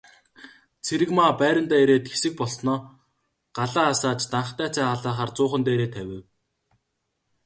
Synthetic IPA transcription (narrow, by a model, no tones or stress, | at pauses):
t͡sʰeɾɘ̆kmaːpæːɾʲə̆nt̪æːeɾeːt̪xesɘ̆k̚pɔɮsnɔː | ɢ̥aɮaːsaːt͡ɕt̪aɴχ̆t̪æːt͡sʰæːχaɮaːχaːrt͡sʊːχə̆nt̪æːɾeːt̪ʰæwʲɪ̆w